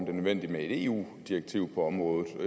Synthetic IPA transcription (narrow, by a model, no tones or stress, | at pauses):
md̥e̝nøðˠʋen̰d̥imee̝d̥e̝ṵː | d̥iɐɡ̥̚t͡sʰiʊpʰɒ̽ɒ̽mʁɔ̽ːðˠð̩ˠ